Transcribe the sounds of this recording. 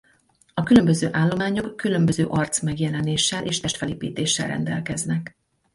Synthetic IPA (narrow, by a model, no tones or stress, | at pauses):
ɒkylø̞mbø̞zøːʔaːlːo̞maːɲo̞kːylømbøzøːʔɒrt̪smɛɡjɛlɛneːʃːɛlʔḛːʃt̪ɛʃt̪fɛleːpḭːt̪eːʃːɛ̰lrɛ̰nd̪ɛ̰lkɛznɛk